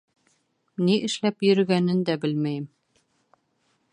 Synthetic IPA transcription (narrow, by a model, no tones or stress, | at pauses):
niʔɘ̆ʃlæpjɵ̆ɾɘ̆ɡænɘnd̪æbɘlmæjm